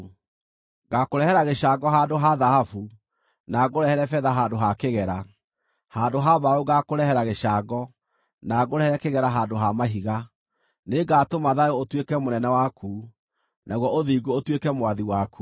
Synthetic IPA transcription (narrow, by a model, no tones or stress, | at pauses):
ɣakoɾɛhɛɾaɣeɕaɡɔɦandoɦaðahafu | naɡoɾɛhɛɾɛfɛːðaɦaːndoɦakeɣɛɾa | haːndoɦaβaoɣakoɾɛhɛɾaɣeaɡɔ | naɣoɾɛhɛɾɛkeɣɛɾaɦaːdoɦamaɦiɣa | neɡatomaðaeotwekɛmonɛnɛwakʰu | naɣwɔoðiɡoːtwekɛmwaðiwaku